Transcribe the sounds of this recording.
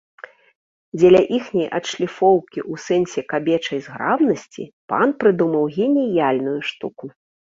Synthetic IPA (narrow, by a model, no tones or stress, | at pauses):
d͡zʲɛlʲɐʔixnʲɐjʔɐt̪ʂlʲifɔwkʲiʔusɛnsʲɛkabʲɛt͡ʂɐjzɣɾabnɐsʲt͡sʲḭpa̰npɾɨd̪umɐwɣʲɛnʲijalʲnujuʂt̪uku